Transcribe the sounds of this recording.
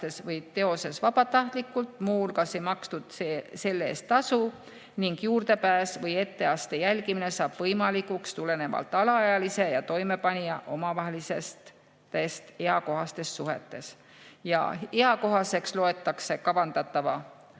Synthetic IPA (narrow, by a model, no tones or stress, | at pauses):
t̪esvɤjt̪e̞o̞se̞svɑbɑt̪ɑht̪likːˑult̪ˑmuːlkɑse̞jmɑkst̪ud̪̥sse̞lːe̞̰ːst̪ːɑsu | niŋɡ̥juːrt̪e̞pæːsvɤje̞t̪ːe̞ɑst̪e̞jælɡimine̞sɑːb̥vɤjmɑlikukst̪ulene̞vɑ̰lt̪ːˑɑlɑɑjɑlise̞jɑt̪o̞jme̞pɑnʲiɑʔo̞mɑvɑɦelise̞st̪ | e̞st̪he̞ɑko̞ɦɑst̪e̞sːuɦe̞̰t̪ːˑe̞s | jɑ̰eɑko̞ɦɑse̞kslo̞e̞t̪ːˑɑkse̞kɑbɑnd̪̥ɑt̪ːˑɑvɑ